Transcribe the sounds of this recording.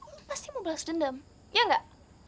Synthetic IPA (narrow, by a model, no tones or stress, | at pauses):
past̪imublasdəndəm | jaŋɡaʔ